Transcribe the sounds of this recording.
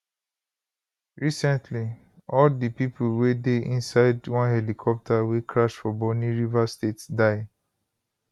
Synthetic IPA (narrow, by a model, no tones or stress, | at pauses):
ɹisɛ̃ntʰli | ɔldipipʰulwedeĩnsaɪdwɔ̃nhɛlikʰɔp̚tʰawekʰɹaʃfɔbɔniɹivastetsdaɪ